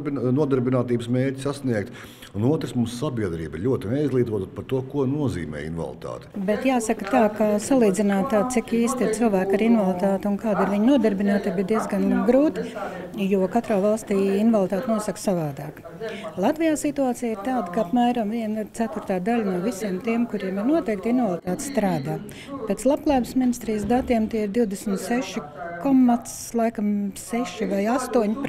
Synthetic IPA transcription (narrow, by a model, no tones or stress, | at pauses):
bnuɔd̪ɛɾbinaːt̪iːbəsmeːɾʲcʲsasniɛk̚t̪ | unuɔt̪ɾsmumsːabʲiɛd̪ɾḭːbʎʲuɔt̪ɪnɛizlˠiːt̪uɔt̪ːt̪paɾt̪uɔkuɔnuɔzḭːmɛ̰ːḭnʋa̰lˠt̪a̰ːt̪ɛ̥bɛt̪jaːsakɐt̪aːkasalˠiːd̪zɪnaːt̪̚t̪ːaːd̪sikiːst̪ɪtsilˠvæːkaɾinʋalˠit̪aːt̪unkaːd̪ɪɾʋiɲnuɔd̪ɛɾbinaːt̪ibid̪iɛzɡanɡɾuːt̪juɔkat̪ɾaːvalˠst̪iːinvalˠt̪aːt̪nuɔsɐksavaːd̪aːk | lˠat̪vijaːsit̪uaːt̪sijiɾt̪aːd̪kaapmæːɾamviɛniɾt̪sæt̪uɾt̪aːd̪alʲnuɔvisiɛmt̪iɛmkuɾiɛmiɾnuɔt̪ɛːk̚t̪invalˠit̪aːt̪st̪ɾaːd̪aː | pɛt̪slˠap̚klˠaːbɪsminist̪ɾiːjs̬d̪at̪iɛmt̪iɛiɾd̪iwd̪esmt̪sɛʃi | kɔmːat̪slˠajkamsɛʃivajast̪uɔɲp